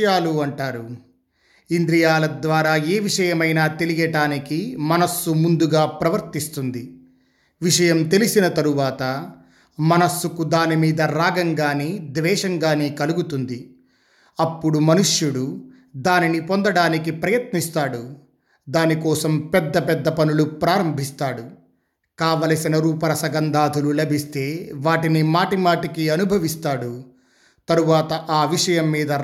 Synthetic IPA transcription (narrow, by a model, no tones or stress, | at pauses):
jaːluɐɳʈaːɾu | ind̪ɾijaːlɐd̪ʋaːɾaːeːʋiʂɐjɐmɐjnaːt̪e̞liɡɐɖaːnikimɐnɐsːumund̪uɡaːpɾɐʋɐɾt̪ist̪und̪i | ʋiʂɐjɐmt̪e̞lisinɐt̪ɐɾuʋaːt̪ɐ | mɐnɐsːukud̪aːnimiːd̪ɐɾaːɡɐŋɡaːneːd̪ʋɛːʂɐŋɡaːneːkɐluɡut̪und̪i | ɐpːuɽumɐnuʂjuɽu | d̪aːninipo̞nd̪ɐɽaːnikipɾɐjɐt̪nist̪aːɽu | d̪aːnikɔːsɐmpɛd̪ːɐpɛd̪ːɐpɐnulupɾaːɾɐmbʱist̪aːɽu | kaːʋɐlɐsinɐɾuːpɐɾɐsɐɡɐnd̪aːd̪ʱululɐbʱist̪e̞ːʋaːʈinimaːʈimaːʈikiɐnubʱɐʋist̪aːɽu | t̪ɐɾuʋaːt̪ɐʔaːʋiʂɐjɐmːiːd̪ɐ